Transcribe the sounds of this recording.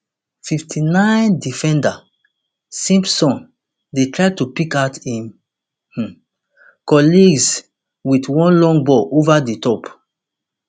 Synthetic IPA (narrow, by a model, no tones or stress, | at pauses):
fiftʰinãɪ̃ndifɛ̃nda | sĩmpsɔ̃n | detʰɹaɪtupikaʊtĩm | h̩ | kɔliɡz | witwɔ̃nlɔ̃ŋbɔʔovaditɔp